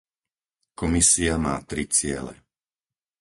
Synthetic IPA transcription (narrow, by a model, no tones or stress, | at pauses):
kɔmisiamaːt̪ɾit͡sɪɛ̰lɛ̰